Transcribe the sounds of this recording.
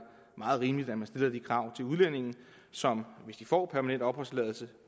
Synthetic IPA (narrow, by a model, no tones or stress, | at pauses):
mɑ̈ːð̩ˠʁiːmlid̥æd̥mænsd̥e̝lɐd̥ikʰʁɑ̈ʊ̰t͡sʰe̝luðˠlen̰e̝ŋn̩ | sɒ̽mʋe̝sd̥ifɒ̰ːpʰæɐmænen̰d̥ɒ̽b̥ʁɒ̽slɛðˠl̩sə